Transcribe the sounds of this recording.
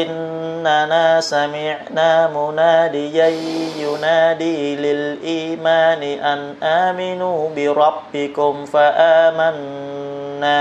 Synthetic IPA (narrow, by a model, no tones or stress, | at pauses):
ʔɪnː | anasamɪʕnamunaːdijajjunaːdiːlɪlʔiːmaːniʔanʔaːmɪnuːbɪɾɑbːɪkʊmfaʔaːmanː | a